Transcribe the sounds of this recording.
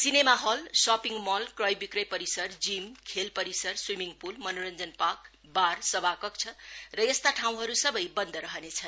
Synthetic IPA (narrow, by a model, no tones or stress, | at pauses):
sinemaɦʌlsɔpiŋmʌlkrʌjbikrʌjpʌɾisʌrd͡zimkʰelpʌɾisʌrswimiŋɡpulmʌnoɾʌnd͡zʌnpak | barsʌbʱakʌk̚t͡sʰʌrʌjest̪aʈʰaw̃ɦʌɾusʌbʌjbʌnd̪ʌɾʌɦʌnet͡sʰʌn